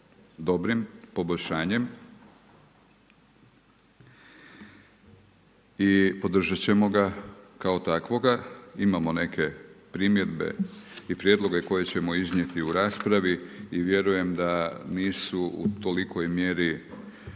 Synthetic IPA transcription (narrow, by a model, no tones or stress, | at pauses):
d̪o̞bɾimpo̞bo̞ʎʲʃaːɲe̞m | ipo̞d̪r̩ʒat͡ɕe̞mo̞ɡakao̞t̪akʋo̞ɡaimamo̞ne̞kʰe̞pɾimje̞d̪be̞̰ipɾjed̪lˠo̞ɡe̞ko̞je̞t͡ɕe̞mo̞izɲje̞t̪iuɾaːspɾaʋiiʋje̞ɾuje̞md̪aniːsuṵt̪o̞liko̞jmje̞ɾi